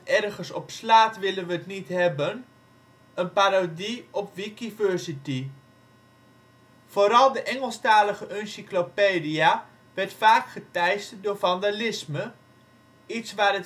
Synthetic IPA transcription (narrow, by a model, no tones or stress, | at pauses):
ɛrχənsɔpslaːtʋɪlənʋəːtnitɦɛbən | ənpaːɾodiɔpʋikivøɹsiti | v̥oɾɑlˠdəʔɛŋəlˠstaːləχəʔœnsiklopeːdia | ʋɛɹtfaːkχətɛjstdʊːɹvɑndalɪsmə | itsʋaːrət